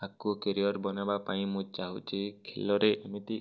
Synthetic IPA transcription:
akukeɾiɔɾbɔnabapaĩmũt͡ʃaɦut͡ʃikʰelɔɾeʔemit̪i

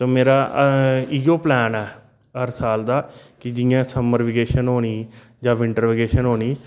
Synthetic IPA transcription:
t̪oːmeːɾaː | iːɡoːplɛːnɛː | ɦəɾsaːld̪aːkɪd͡ʒɪjãːsəməɾʋɪɡeːʃənɦoːniː | d͡ʒãːʋɪɳʈəɾʋɪɡeːʃənɦoːniː

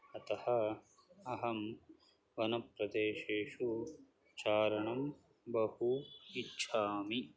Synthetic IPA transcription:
ɐt̪ɐhɐ | ɐɦɐm | ʋɐnɐpɾɐd̪eːʃeːʃu | t͡ʃaːɾɐɳɐm | bɐhuitːʃʰaːmi

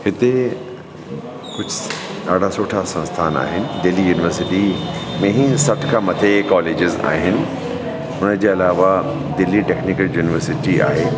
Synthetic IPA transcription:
hɪt̪e | kʊd͡ʑʱʊɗaːɖʱasoːʈʰasɐ̃nst̪ʰaːna̰ːɦɪnɪ̆d̪ɪlijuːnɪʋəɾsɪʈimẽɦĩsɐʈʰkʰãmɐt̪ʰekɔːleːd͡ʑɪza̰ːɦɪnɪ̆ | ʊnəd͡ʑeːɐlaːʋa | d̪ɪlːiʈeːknɪkəljuːnɪʋəɾsɪʈia̰ːɦeː

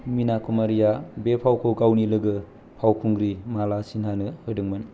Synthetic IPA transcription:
minakʰumaɾijabepʰawkʰowɡawnilɯɡɯ | pʰawkʰuŋɡɾimalasinɦanɯhɯdɯŋmɯn

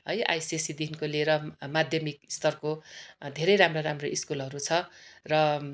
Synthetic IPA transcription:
ɦʌjʔa̰jsisid̪inkoleɾʌmad̪ʱjʌmikist̪ʌrkod̪ʱeɾʌjɾamroɾamroʔiskulʌɾut͡sʰʌrʌ

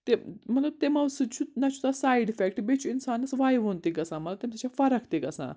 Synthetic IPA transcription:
t̪emɐt̪lɐb̚t̪emɐʋsɨd̪t͡ɕʰut̪nat͡ɕʰu̥t̪asajɖifek̚ʈbet͡ɕʰuinsanɐsʋajʋont̪ikɐsãmɐt̪lɐt̪emt̪et͡ɕʰafɐɾɐkʰt̪ekɐsã̰

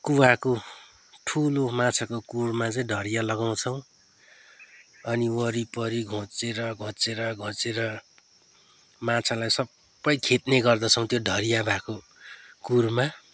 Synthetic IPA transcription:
kuwako | ʈʰulomat͡sʰakokurmat͡sʌĩɖʱʌɾijalʌɡaw̃t͡sʰʌw̃ | ʌniwʌɾipʌɾiɡʱõt͡seɾʌɡʱõt͡seɾʌɡʱʌ̃t͡seɾʌ | mat͡sʰalajsʌbː | ʌjkʰet̪neɡʌrd̪ʌt͡sʰʌw̃t̪joɖʱʌɾijabʱako | kurma

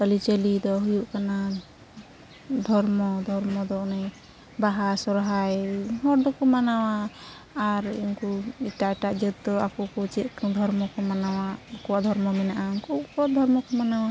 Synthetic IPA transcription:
t̪əlit͡ʃəlid̪ɔɦujuʔkana | d̪ʱɔɾmɔd̪ʱɔɾmɔd̪ɔnaj | baɦasɔɾɦajɦɔɾɖɔkɔmanawaː | ɾinkuiʈajʈaʔd͡ʒət̪̚d̪ɔakukɔt͡ʃɛt̪̚kd̪ʱɔɾmɔkɔmanawakɔwaʔd̪ʱɔɾmɔmɛnaʔakukɔd̪ʱɔɾmɔkɔmanawa

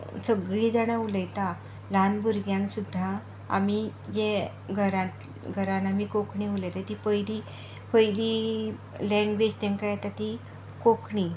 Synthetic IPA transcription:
səɡɭiːd͡zaɽ̃auləjt̪a | lanbuɾɡjãŋksud̪ʱːa̰ː | mid͡ʑe | ɡʱəɾãt̪ | ɡʱəɾanamikokʰɳĩuləjt̪at̪ipəjɽi | pəjɾi | lɛ̃ŋɡʋed͡ʑt̪ɛ̃ŋkajat̪at̪i | kokʰɳi

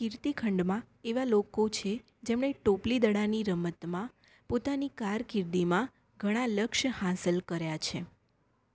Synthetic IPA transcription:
kiɾt̪ikʰəɳɖmã | eʋalokot͡ʃʰe | d͡ʒemɳ̃eʈoplid̪əɽaniɾəmət̪mã | pot̪anikaɾkiɾd̪imã | ɡʱəɽ̃aləkʃhasəlkəɾjat͡ʃʰe

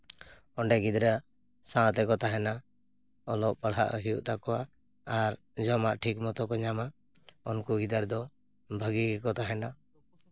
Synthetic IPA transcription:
ɔɳɖɛɡid̪ɾa | sãt̪ɛkɔt̪aɦɛna | ɔlɔʔpəɽ̤a̰ʔɦijṵʔt̪akɔwa | aɾ | d͡ʒɔmaʔʈʰikmɔt̪ɔkɔɲama | ɔnkuɡid̪aɾd̪ɔ | bʱəɡiɡɛkɔt̪aɦɛna

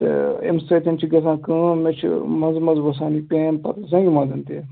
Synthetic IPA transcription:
t̪ɨ̰ḛmsɐːt̪ʲɐnt͡ʃʰiɡɐzãːkɨ̃ːmet͡ʃʰḭmɐnzmɐzʋɐs̬ãːnipẽːnpɐ̰ɾzɐ̃ŋɡʲimɐːzɐnt̪eː

